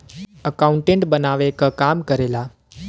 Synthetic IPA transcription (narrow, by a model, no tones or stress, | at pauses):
əkaũɳʈẽɳʈbənaʋekəkamkəɾela